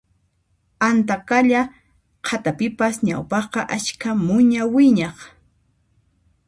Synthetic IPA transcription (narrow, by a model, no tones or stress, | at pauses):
ant̪akaʎa | qʰat̪apɪpasɲa̰wpɑχqɑʔat͡ʃkʰamʊɲawɪɲɑχ